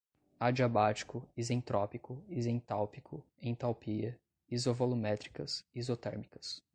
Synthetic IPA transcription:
ad͡ʒiabat͡ʃi̥kʊizẽt̪ɾɔpikʊizẽt̪awpikʰʊ | ẽj̃t̪awpiɐ | izovolumɛt̪ɾikɐsizot̪ɛɾmikɐ̥s

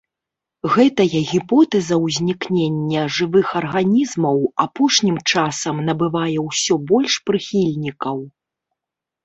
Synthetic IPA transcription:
ɣɛt̪ɐjɐɣʲipɔt̪ɛzɐwzʲnʲiknʲenʲːɐʐɨvɨxɐrɣanʲizmɐwapɔʂnʲimt͡ʂasɐmnɐbɨvajɛwsʲɔbɔlʲʂpɾɨxʲilʲnʲikɐw

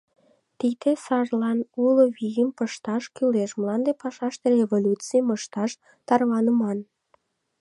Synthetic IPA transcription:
t̪id̪esɑʒlɑnuloβijəmpəʃt̪ɑʃkyleʃməlɑnd̪epɑʃɑʃt̪erevolʲut͡sijməʃt̪ɑʃ | t̪ɑrβɑnəmɑn

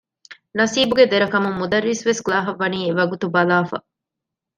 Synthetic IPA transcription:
nɐsiːbuɡed̪eɾɐkɐmumːud̪ɐɾːisʋesklaːɦɐʋːɐniːeʋɐɡut̪ubɐlaːfɐ̰

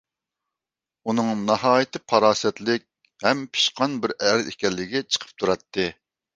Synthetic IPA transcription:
unɨŋnɑhɑːjit̪ʰɨpʰɑɾɑːsɛt̪lɪk̚ʲ | hɛmpʰi̥ʃqʰɑnbɪɾæɾzekʲɛlːɪɡʲɛt͡ʃʰə̥qʰə̥p̚t̪ʰuɾɑt̪ʰːɨ

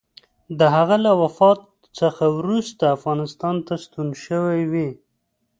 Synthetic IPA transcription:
d̪əɦaɣalawafɑt̪̚ | t͡səxawɾust̪aːfɣɑnɪst̪ɑnt̪ast̪unʃəwajwi

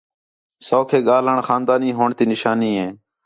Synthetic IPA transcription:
soːkʰeːɠaːləɳxaːnd̪aːniːɦoːɳt̪iːnɪʃaːniːɦẽː

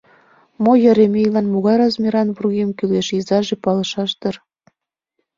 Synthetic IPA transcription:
mojə̆ɾemejlɑnmoɣɑjɾɑzmʲiɾɑnβurɣemkyleʃizɑʒepɑlɤ̆ʃɑʃt̪ər

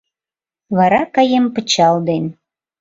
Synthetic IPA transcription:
βɑɾɑkɑjempə̆t͡ɕɑld̪en

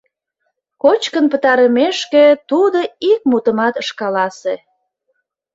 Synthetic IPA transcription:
kot͡ɕkənpət̪ɑɾəmeʃket̪ud̪oik̚mut̪əmɑt̪əʃkɑlɑse

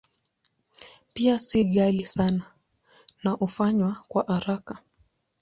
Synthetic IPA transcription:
piasiɠalisana | naʔufaɲwakwaʔaɾaka

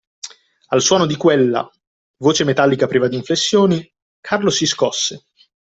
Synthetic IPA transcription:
alswɔːnod̪ikwelːa̰ | voːt͡ʃemet̪alːikapɾiːvad̪iːɱflesːjoːni | kʰarlosiskɔsːe

